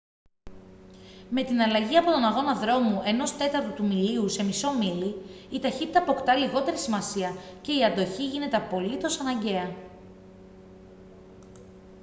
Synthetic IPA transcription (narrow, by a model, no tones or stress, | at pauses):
me̞t̪inɐlɐʝiɐpo̞t̪o̞nɐɣo̞nɐðɾo̞muʔe̞no̞st̪e̞t̪ɐɾt̪ot̪umiliuse̞miso̞miliː | t̪ɐçit̪it̪ɐpo̞kt̪ɐliɣo̞t̪e̞ɾisimɐsiɐce̞iɐnd̪o̞çiʝine̞t̪e̞ɐpo̞lit̪o̞sɐnɐɲɟe̞ɐ